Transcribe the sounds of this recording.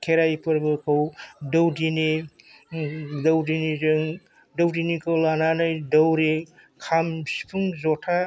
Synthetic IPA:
kʰeɾajpʰɯɾbɯkʰawdɐwdini | dɐwdinizɯŋ | dɐwdinikʰawlananɯjdɐwɾe | kʰamsi̥pʰuŋzɔtʰa

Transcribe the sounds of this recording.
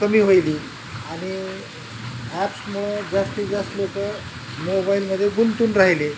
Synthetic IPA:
kəmiːɦojliː | aɽ̃i | æpsmuɭod͡zasʈiːd͡zaslokə | mobailməd̪ʱːjeɡunt̪uːnɾaɦile

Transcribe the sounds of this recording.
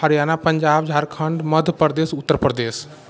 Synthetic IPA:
ɦəɾijaːnapəɲd͡ʒaːbd͡ʒʱaɾkʰəɳɖməd̪ʱpəɾd̪eːsʊt̪ːəɾpɾəd̪eːs

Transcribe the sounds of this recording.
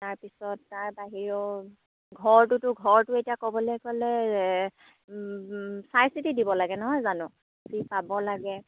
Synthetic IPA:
taɹpisɔtːaɹbaɦiɹɔ | ɡʱɔɹtʊtʊɡʱɔɹtʊetijakɔbɔlɔjkɔlɛ | sajsitidibɔlaɡɛnɔɦɔjzanʊ̃ | sipabɔlaɡɛ

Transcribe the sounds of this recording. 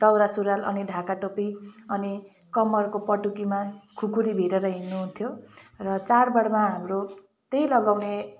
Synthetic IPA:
t̪ʌwɾasuɾalʌniɖʱakaʈopiʌni | kʌmʌrkopʌʈukimakʰukuɾibʱiɾeɾʌɦinːuɦunt̪ʰjorʌt͡sarbʌɽmaɦamɾo | t̪eilʌɡawne

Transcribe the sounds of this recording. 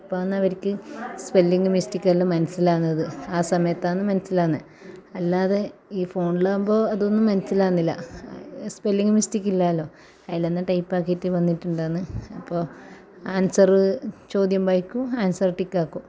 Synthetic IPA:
ɐpːoːɐnːɐɐʋɐɾikʲːɨspe̞lːiŋɡɨmisʈikʲːaːlːo̞ːmɐnɐsːilaːnːɐðɨaːsɐmɐjɐt̪ːaːnːɨmɐnɐsilaːnːɨ | ɐlːaːðe̞iːfo̞ːɳɖilaːmbo̞ːɐðo̞nːumːɐnɐsilaːnːilːɐ̰ | spe̞lːiŋɡɨmisʈikʲːilːaːɐlːo̞ː | ɐjaːlenːɐʈɐjpːaːkːitːɨʋɐnːiʈːuɳɖaːnːɨɐpːoː | aːnsɐrɨt͡ɕo̞ːd̪jɐmbɐjkːuaːnsɐrʈikːaːkːu

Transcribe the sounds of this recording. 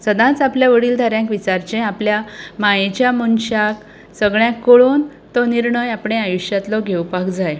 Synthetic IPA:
səd̪ãt͡sapljaʋəɽiːld̪ʱəɾjãŋkʋit͡saɾt͡ɕẽapljamajet͡ɕjamunɕak | səɡɭjãkoɭoːn | t̪ɔniɾɳəjapɳ̃eajuɕjat̪lɔɡʱewpakd͡zaj

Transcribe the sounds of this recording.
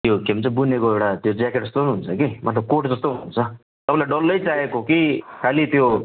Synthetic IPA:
t̪jokebʌnt͡sʰʌbunekoewɽat̪jod͡zakeʈd͡zʌst̪oɦnuɦːnt͡sʰʌkimʌ̰t̪lʌb̚koʈd͡zʌst̪oɦununt͡sʰʌ | t̪ʌpãlaɖʌlːʌjt͡saekokikʰalit̪jo

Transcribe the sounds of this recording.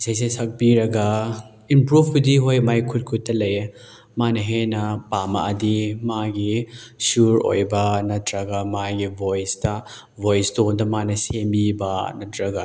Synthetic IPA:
isajs̬esɐk̚biɾɐɡɐ | impɾupʰbidiɦojmajkʰut̚kʰut̚ːɐlɐj | manɐɦenɐpamɐʔɐdimaɡisuɾo̰jbɐnɐtʰɾɐɡɐmaɡibʱojstɐ | bʱojsdondɐmanɐsembibɐnɐtɾɐɡa

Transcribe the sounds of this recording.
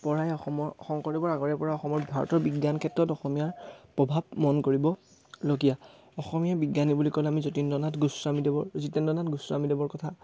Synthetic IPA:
pɔɹajɔxɔmɔɹɔxɔŋkɔɹɛbɔɹaɡɔɹɛpɔɹaɔxɔmɔɹbʱaɹɔ̰tɔɹbiɡjankʰɛtɹɔtɔxɔmijaɹpɹɔbʱab̚mɔnkoɹibɔ | loɡija | ɔxɔmijabiɡjanibulikɔlamizotindɔnatɡuswamidebɔɹzitɛndɔnatɡuswamidebɔɹkɔtʰa

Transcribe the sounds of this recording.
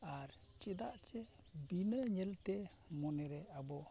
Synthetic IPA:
aɾt͡ʃid̪aʔt͡ʃebinəɲəlt̪emɔneɾɛabɔ

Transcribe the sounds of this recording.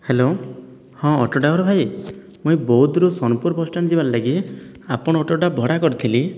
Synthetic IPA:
helo | hɔ̃ɔ̰ʈoʈabɔɾɔbʱaj | muj̃bɔɦud̪ɾusɔnpuɾbɔsʈand͡ʒiballaɡi | apɔɽ̃ɔːʈoʈabʱɔɽakɔɾit̪ʰili

